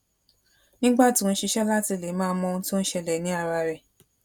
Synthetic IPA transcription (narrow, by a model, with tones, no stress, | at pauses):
nĩ˦ɡ͡ba˦˨tĩ˨˦ñ̩˦ʃi˧ʃɛ˦la˦ti˧˨le˨˦mãː˦˧˦mɔ̃˧ũ˦tĩ˦ñ̩˦ʃɛ˧lɛ˨nĩ˨˦a˦˨ɾa˧ɾɛ˨